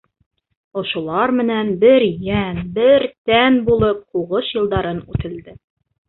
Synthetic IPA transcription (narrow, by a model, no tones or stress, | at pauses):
ŏʃŭlˠɑɾmɘ̆nænbɘɾjænbɘɾt̪ænbulˠɤp̚huʁɤʃjɤ̆lˠd̪ɑɾɤnʉt̪ɘ̆ld̪ɘ